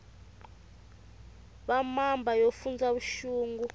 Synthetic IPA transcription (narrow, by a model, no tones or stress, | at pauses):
ɓamambʱajofund͡zaβuʃuːŋɡu